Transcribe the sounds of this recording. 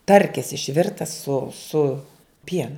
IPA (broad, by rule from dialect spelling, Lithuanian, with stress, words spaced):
ˈtɐrʲkʲɪs ɪʃʲˈʋʲɪrtɐs sʊ sʊ ˈpʲiɛnʊ